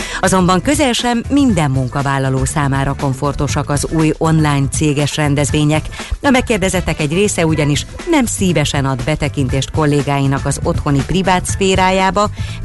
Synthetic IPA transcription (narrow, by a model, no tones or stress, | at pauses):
ɒzo̞mbɒŋkø̞zɛlʃɛmːind̪ɛmːuŋkɒvaːlːɒloːsaːmaːɾɒko̞ɱfo̞rt̪o̞ʃɒkɒzuːjo̞nlaːjnt̪seːɡɛʃrɛnd̪ɛzʋeːɲɛk | ɒmɛkːeːrd̪ɛzɛt̪ːɛkɛɟreːsɛuɟɒniʃ | nɛmsiːvɛʃɛnɒd̪bɛt̪ɛkint̪eːʃt̪̚ko̞lːeːɡaːjinɒkɒzo̞t̪ho̞niprivaːt̪sfeːɾaːjaːbɒ